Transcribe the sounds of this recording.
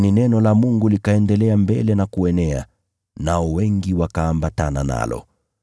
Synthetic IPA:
ninɛnɔlamuŋɡulikaɛndɛlɛambɛlɛnakuɛnɛa̰ | naɔwɛŋɡiwakaːmbatanana̰lɔ̰

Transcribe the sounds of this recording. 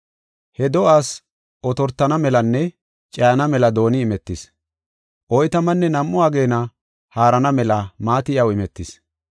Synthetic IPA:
hɛd̪ɔʔaːs | ʔɔt̪ɔɾt̪ːɐnɐmɛlɐnːɛ | t͡ʃʼɐɐnɐmɛlɐd̪o̞ːnɪːmɛt̪ːɪs | ʔɔjt̪ɐmɐnːɛnɐmːʊaːɡe̞ːnɐ | haːɾɐnɐmɛlɐmaːt̪ɪjɐwɪmɛt̪ːɪs

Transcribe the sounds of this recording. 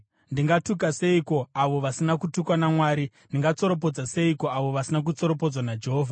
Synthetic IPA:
ndiŋɡatuk̬ase̞iko̞aʋo̞ʋasinakutukwanamwaːɾi | ndiŋɡat͡so̞ɾo̞p̬o̞d͡zase̞iko̞aʋo̞ʋasinak̬ut͡so̞ɾo̞po̞d͡zwanad͡ʒeɦoːvʱa

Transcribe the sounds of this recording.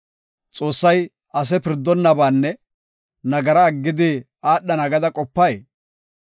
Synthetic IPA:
t͡sʼo̞ːsːɐj | ɐs̬ɛpɪɾd̪ːɔnːɐbaːnːɛ | nɐɡɐɾɐːɡːɪd̪ɪ | aːɗːɐnɐɡɐd̪ɐkʼɔpːɐj

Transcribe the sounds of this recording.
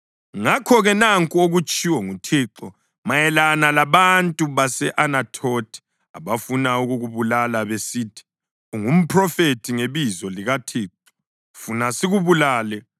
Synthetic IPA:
ŋakʰɔɣɛnaŋkʼuoɣut͡ʃʼiwɔŋutʰiːǁɔ | majɛlanalaβantʼuβasɛʔanatʰotʰi̥ | a̰βafunauɣuɣuβulalaβesitʰi̥ | uŋum̩pʰrɔfetʰiŋeβizɔliɣatʰiːǁɔ | funasiɣuβulaːlɛ

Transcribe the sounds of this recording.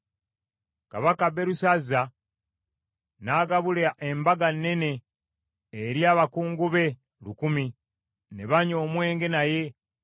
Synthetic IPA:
ka̰βakabe̞ɾusaza | naːɡaβulaʔe̞mbaɡanːe̞ne̞ː | ɾjaːβakuːŋɡuβe̞ | lukumi | neβaɲo̞ːmwe̞ːŋɡe̞naje̞

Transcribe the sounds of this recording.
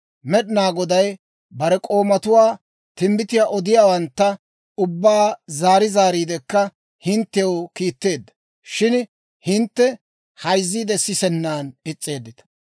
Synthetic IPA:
mɛɗɪnaːɡɔd̪ɐj | bɐɾɛkʼo̞ːmɐt̪ʊwaː | t̪ɪmbɪt̪ɪjaːʔɔd̪ɪjaːwɐnt̪ːɐ | ʊbːaːzaːɾɪzaːɾiːd̪ɛkːɐ | hɪnt̪ːɛjɔwkiːt̪ːe̞ːd̪ːɐ̥ | ʃɪn | hɪnt̪ːɛ | hɐjzːiːd̪ɛsɪsɛnːaːnɪt͡sʼːe̞ːd̪ːɪt̪ɐ̥

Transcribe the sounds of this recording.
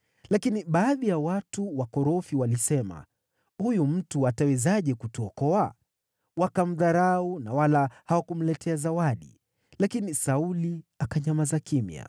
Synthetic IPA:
lakiniɓaːðijawatuwakɔɾɔfiwalisɛma̰ | hujum̩tuatawɛzaʄɛkutuɔkɔa | wakam̩ðaɾaunawalahawakum̩lɛtʰɛazawaɗḭ | lakinisauliakaɲamazakimja̰

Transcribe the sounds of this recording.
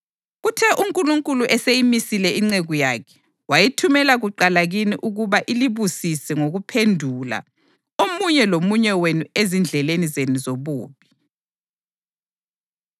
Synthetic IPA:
ɣutʰɛʔuŋkʼuluŋkʼuluʔɛsejimisilɛiŋ͡ǀeɣujaːkʰɛ̥ | wajitʰumɛlaɣuǃalaɣiniʔuɣuβaʔiliβusisɛŋoɣupʰendʱula̰ | omuɲɛlomuɲɛwenuezind͡ɮʱɛlenizenuzoβuːβi

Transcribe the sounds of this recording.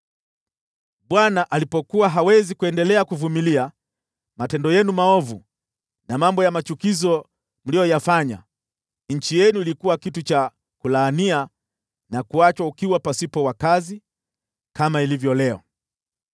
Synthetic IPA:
ɓwanaʔalipɔkuwaɦawɛzikuɛndɛlɛakuvumilia | matɛndɔjɛnumaɔvu | namambɔjamat͡ʃukizɔ | m̩lijɔjafaɲa̰ | ɲ̩t͡ʃijɛnuilikuwakitut͡ʃa | kulaːnia | nakuat͡ʃwaukiwapasipɔwakazi | kamailivjɔlɛɔ̰

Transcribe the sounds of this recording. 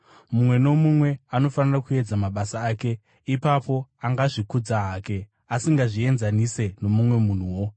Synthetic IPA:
mumwe̞no̞mumwe̞ano̞fanirakue̞d͡zamaɓasaːke̞ | ipapo̞aŋɡaʐikud͡zaɦaːke̞ | asiŋɡaʐie̞nzanise̞no̞mumwe̞mun̤uwo̞

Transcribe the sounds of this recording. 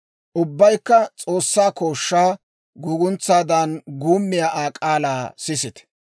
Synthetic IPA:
ʔʊbːɐjkːɐt͡sʼo̞ːsːaːko̞ːʃːaː | ɡʊɡʊnt͡sːaːd̪ɐnɡuːmːɪjaʔaːkʼaːlaːsɪsɪt̪ɛ̥

